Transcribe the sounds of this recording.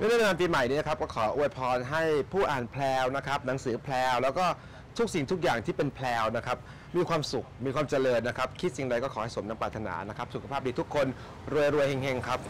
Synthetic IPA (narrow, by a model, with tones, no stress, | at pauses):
nː˥˩naː˥˩pa˧aː˧mpiː˧ma˨˩jniː˦˥na˦kʰa˦˥p̚kɔː˥˩kʰɔː˩˦ʔu˧˩əjpʰɔː˧nɦa˥˩jpʰuː˥˩ʔaː˨˩npʰlɛː˧wna˦˥kʰa˦˥p̚na˩˦ŋsɯː˩˦pʰlɛː˧wlɛː˦˥wkɔː˥˩ | t̪ʰu˦˥k̚si˨˩ŋt̪ʰu˦˥k̚jaː˨˩ŋt̪ʰiː˥˩pe˧npʰlɛː˧wna˦˥kʰa˦˥p̚ | miː˧kʰwaː˧msu˨˩k̚miː˧kʰwaː˧mt͡ɕa˧lɤː˧nːa˦˥kʰa˦˥p̚kʰi˦˥t̪̚si˨˩ŋda˧jkɔː˥˩kʰɔː˩˦ha˥˩jso˩˦na˧paː˨˩t̪ʰːa˧na̰ː˩˦na˦˥kʰa˦˥p̚su˨kʰa˧pʰaː˥˩p̚diː˧u˦˥kʰːo˧n | ɾu˧əjɾu˧əjhe˧ŋhe˧ŋkʰa˦˥p̚